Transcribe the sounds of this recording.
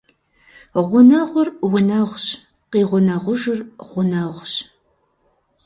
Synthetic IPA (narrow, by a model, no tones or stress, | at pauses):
ʁʷʊnɐʁʷʊrwʊnɐʁʷɕ | qiːʁʷʊnɐʁʷʊʒɨrʁʷʊnɐʁʷɕ